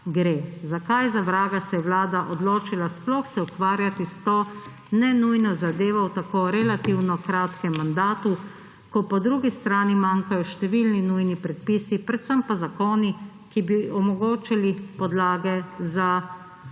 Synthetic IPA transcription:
ɡɾeːzakajzaʋɾaːɡasɛjɛwlaːd̪aʔɔd̪loːt͡ʃilasplɔxsɛukʋaːɾjat̪ist̪oː | nɛnujnɔzad̪eːʋɔwt̪akoːɾɛlat̪iwnɔkɾaːt̪kɛmːand̪aːt̪u | kɔpɔd̪ɾuɡist̪ɾaːnimaːŋkajɔʃt̪ɛʋilninujnipɾɛt̪̚piːsipɾɛt̪səmpazakoːni | kibiɔmɔɡoːt͡ʃilipɔd̪laːɡɛza

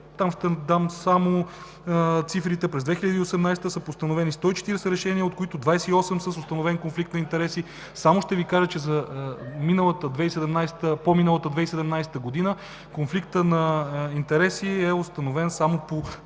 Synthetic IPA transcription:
t̪amʃt̪ɛd̪amsamo | t̪sifɾit̪ɛpɾɛzd̪vɛxiʎʲɐd̪iosɛmnajst̪əsəpost̪ɐnovɛnist̪ɔit͡ʃɛ̥t̪iɾɛsɛɾɛʃɛniəot̪koit̪ʊd̪vajsɛiɔsɛmsəsost̪ɐnovɛnkonflik̚t̪nɐint̪ɛɾɛsi | samoʃt̪ɛvikaʒət͡ʃɛzɐminəlˠət̪əd̪vɛisɛd̪ɛmnajsɛ̥t̪əpominəlˠət̪əd̪vɛisɛd̪ɛmnajsɛ̥t̪əɡod̪inə | konflikt̪ənɐint̪ɛɾɛsiɛost̪ɐnovɛnsamopo

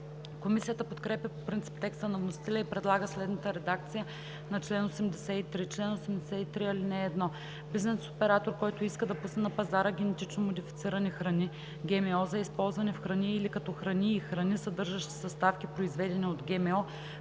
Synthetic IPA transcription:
komisijət̪əpot̪kɾɛpjɐpopɾint̪si̥p̚t̪ːɛkst̪ənɐvnosi̥t̪ɛlʲəipɾɛd̪lˠaɡəslɛd̪nət̪əɾɛd̪ak̚t̪sijə | nɐt͡ʃlɛnosɛmd̪ɛsɛit̪ɾit͡ʃlɛnosɛmd̪ɛsɛit̪ɾiɐlinɛːd̪nɔ | biznɛso̥pɛɾat̪oɾkɔjt̪oiskəd̪ɐpusnɛnɐpɐzaɾəɡ̟ʲɛnɛt̪it͡ʃnomod̪ifit̪siɾɐnixɾɐni | ɡʲɛmɛɔzɐispɔlˠzvɐnɛfxɾɐniːlikɐt̪ɔxɾɐniːxɾɐnisɐd̪ɤɾʒəʃt̪i̥sɐst̪afkʲipɾoizvɛd̪ɛniod̪ɡʲɛmɛɔ

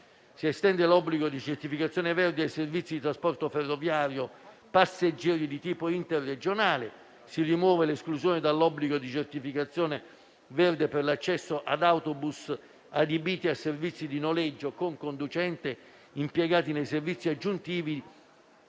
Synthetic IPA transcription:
siɛst̪ɛnd̪elɔbːliɡod̪it͡ʃert̪ifikat̪sːjɔːnevɛrd̪eajservit̪sːid̪it̪ɾaspɔrt̪oferːovjaːɾjo | pasːed͡ʒːɛːɾid̪it̪iːpoint̪erːed͡ʒonaːle | sirimwɔːveleskluzjɔːnɪd̪alːɔbːliɡod̪it͡ʃert̪ifikat̪sːjɔːne | vɛrd̪eperlat͡ʃːɛsːoʔad̪awt̪obus | ad̪ebiːt̪iasːervit̪sːid̪inolɛd͡ʒːokoŋkond̪ut͡ʃɛnt̪e | impjɛɡaːt̪inejservit̪sːiad͡ʒːunt̪iːvi

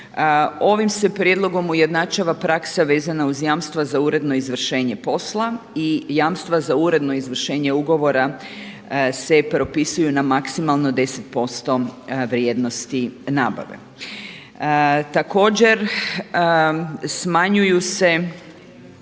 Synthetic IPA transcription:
o̞ʋimse̞pɾjed̪lˠo̞ɡo̞muje̞d̪nat͡ʃaʋapɾaksaʋe̞ːzanauzjaːmst̪ʋazauɾe̞d̪no̞izʋr̩ʃe̞ːɲe̞po̞slˠa | ijaːmst̪ʋazauɾe̞d̪no̞izʋr̩ʃe̞ːɲe̞uɡo̞ʋo̞ɾa | se̞pɾo̞pisujunamaksimalˠno̞d̪e̞set̪po̞st̪o̞ʋɾjeːd̪no̞st̪inaːba̰ʋḛ | t̪ako̞ːd͡ʑe̞ɾ | smaɲujuse̞

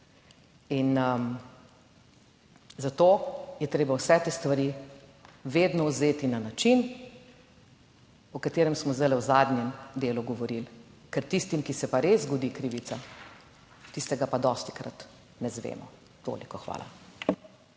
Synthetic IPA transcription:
inə | zat̪oːjɛt̪ɾeːbawsɛt̪est̪ʋaɾi | ʋeːd̪nɔwzeːt̪inanat͡ʃin | ɔkat̪eːɾɛmsmɔzd̪alɛwzaːd̪nʲjɛmd̪eːluɡɔʋɔɾilkɛɾt̪ist̪imkisɛpaɾezɡɔd̪ikɾiːʋit̪sa | t̪ist̪ɛɡapad̪ɔːst̪i̥kɾa̰t̪ | nɛzʋḛːmɔ̰ | t̪o̰ːlikɔxʋa̰ːlʔa̰

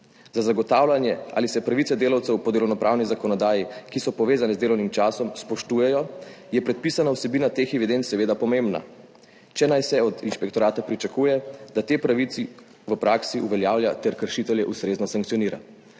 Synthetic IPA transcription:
zazaɡɔt̪aːwlanjɛʔa̰ːlisɛpɾaʋit̪sɛd̪eːlɐwt̪sɛwpɔd̪elɔwnɔpɾʔaːwnizakɔnɔd̪aːjikisɔpɔʋeːzanɛzd̪eːlɔwnimt͡ʃaːsɔmspɔʃt̪uːjɛjɔ | jɛpɾɛt̪̚pisanawsɛbiːnat̪exɛʋid̪ent̪sɛʋeːd̪apɔmembna̰ | t͡ʃɛnajsɛɔd̪inʃpɛkt̪ɔɾaːt̪apɾit͡ʃakuːjɛd̪at̪eːpɾaʋit̪si | ʋəpɾaːksiʔuʋɛljaːwljat̪ɛɾkəɾʃit̪ɛljɛʔust̪ɾeːznɔsaŋk̚t̪sijɔniːɾa̰

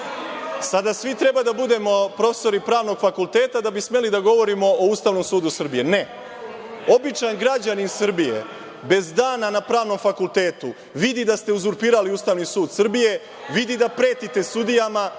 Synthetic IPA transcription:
sad̪asʋit̪ɾe̞bad̪abud̪e̞mo̞pɾo̞fe̥so̞ɾipɾaːʋno̞ɡfakulˠt̪e̞ːt̪ad̪abisme̞lid̪aɡo̞ʋo̞ɾimo̞oust̪aːʋno̞msuːd̪usr̩bije̞ne | o̞bit͡ʃanɡɾad͡ʑaninsr̩bije̞̰ | be̞zd̪aːnanapɾaːʋno̞mfakulˠt̪e̞ːt̪u | ʋid̪id̪ast̪e̞uzuɾpiːɾaliuːst̪aːʋnisuːd̪sr̩bije̞ | ʋid̪id̪apɾe̞ːt̪it̪e̞st̪ud̪ijama

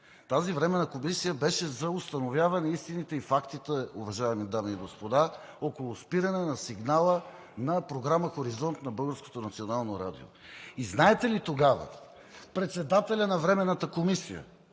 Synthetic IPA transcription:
t̪azivɾɛmɛnəkomisijəbɛʃɛzɐʊst̪ɐnovʲjavɐnɛist̪init̪ɛifakt̪it̪ɛʊvɐʒaɛmid̪amiːɡospod̪a | okolˠʊspiɾɐnɛnɐsiɡnalˠə | nɐpɾoɡɾaməxoɾizɔnt̪nɐbɤlˠɡəɾsko̥t̪onɐt̪sionalˠnoɾad̪ḭo̰iznaɛt̪ɛlit̪oɡavə̰ | pɾɛt̪sɛd̪at̪ɛlʲɐnɐvɾɛmɛnːət̪əkomisḭjə̰

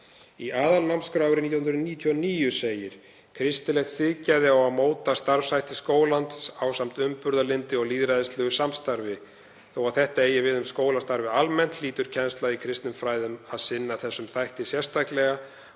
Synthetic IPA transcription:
iaːðalnawmskɾawɾɪniːjahʏnɾniːt̪ʰiɔniːjʏseːjɪɾ̥ | kʰɾɪst̪ɪlɛxt̪sɪðcajðɪawaðmoːwt̪ast̪aɾvsajht̪ɪskoːwlant̪awsam̥t̪ʏmpʏɾðalɪnt̪ɪɔɣliːðɾajðɪst̪lœɣʏsamst̪aɾvɪ | θowaθɛht̪aeːjɪvɪðʏmskoːwlast̪aɾvɪalmɛn̥t̪liːt̪ʏɾ̥cʰɛnst̪laikʰɾɪst̪nʏmfɾaːjðʏmaðsɪnːaθɛsːʏmθajht̪ɪsjɛ̥st̪ʰaklɛɣa

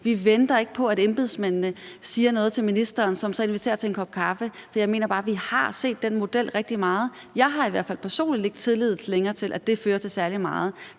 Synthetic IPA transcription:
ʋiʋend̥ɐe̝ɡ̥əpʰɒ̽æɾemb̥e̝ðˠsmennəsiːɐnɔ̽ːð̩ˠt͡sʰe̝lminisd̥ɐːnsɒ̽msɒ̽e̝nʋit͡sʰe̝ːɐt͡sʰe̝enkʰɒ̽b̥̚kʰɑ̈fəfɒ̽jɑ̈ɪme̝̰ːnɐb̥ɑ̈ːʋihɑ̈se̝̰ːd̥ːenmo̝d̥el̰ʁɛɡ̥̚d̥imɑ̈ːð̞̩ˠ | jɑ̈ɪɦɑ̈iʋæɐ̰̥fæl̰pʰæɐso̝̰ːnlid̥e̝ɡ̥t͡sʰe̝ðˠlið̞̰ˠʰleŋɐːt͡sʰe̝lʔæd̥e̝føːɐt͡sʰe̝sæɐlimɑ̈ːð̞̩ˠ

